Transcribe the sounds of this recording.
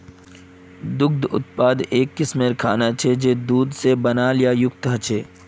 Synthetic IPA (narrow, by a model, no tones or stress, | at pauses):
d̪ʊk̚d̪ʊ̰t̪̚paːd̪eːkːɪsmeɾkʰa̰ːnat͡ʃʰed͡ʒeːd̪uːd̪sebɐnaːljajʊk̚t̪ɦət͡ʃʰeː